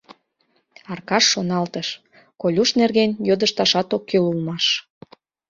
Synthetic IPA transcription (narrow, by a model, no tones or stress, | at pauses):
ɑrkɑʃːonɑlt̪əʃ | kolʲuʃnerɣenjod̪əʃt̪ɑʃɑt̪okːelulmɑʃ